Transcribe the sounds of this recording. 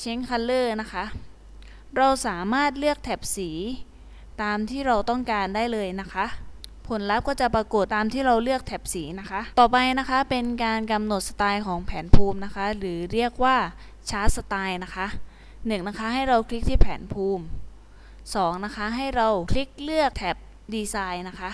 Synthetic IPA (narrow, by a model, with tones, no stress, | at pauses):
t͡ɕʰe˦˥ŋkʰa˧lɤː˥˩na˦˥kʰa˦˥ʔ | ɾa˧wsaː˩˦maː˥˩t̪̚lɯ˥˩ək̚t̪ʰɛː˨˩p̚siː˩˦ | t̪aː˧mt̪ʰiː˥˩ɾa˧wt̪ɔ˥˩ŋkaː˧ndaː˥˩jlɤː˧jna˦˥kʰa˦˥ʔpʰo˩˦nla˦˥p̚kɔː˥˩t͡ɕa˨˩pɾa˧ko˨˩t̪ːaː˧mt̪ʰiː˥˩ɾa˧wlɯ˥˩ək̚t̪ʰɛː˨˩p̚siː˩˦na˦˥kʰa˦˥ʔt̪ɔː˨˩pa˧jna˦˥kʰa˦˥pe˧nkaː˧nka˧mno˨˩t̪̚sa˧t̪aː˧jkʰɔː˩˦ŋpʰɛː˩˦npʰuː˧mna˦˥kʰa˦˥ɾɯː˩˦ɾi˥˩ək̚waː˥˩ | t͡ɕʰaː˦˥t̪̚sa˧t̪aː˧jna˦˥kʰa˦˥ʔ | nɯ˨˩ŋna˦˥kʰa˦˥ɦa˥˩jɾa˧wkʰli˦˥k̚t̪ʰiː˥˩pʰɛː˩˦npʰuː˧m | sɔː˩˦ŋna˦˥kʰa˦˥ɦa˥˩jɾa˧wkʰli˦˥k̚lɯ˥˩ək̚t̪ʰɛː˨˩p̚ | diː˧saː˧jna˦˥kʰa˦˥ʔ